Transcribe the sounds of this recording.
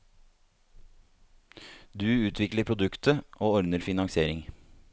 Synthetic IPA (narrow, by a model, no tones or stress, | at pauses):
d̪ʉːʉːt̪ʰʋɪkləpʰɾʊd̪ʉkt̪ʰəʔoːɔɾnəɾfɪnɑŋsɪeːɾɪŋ